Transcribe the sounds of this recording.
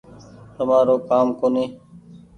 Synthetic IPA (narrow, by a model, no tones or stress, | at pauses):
t̪əmaːɾoːkaːmkoːneː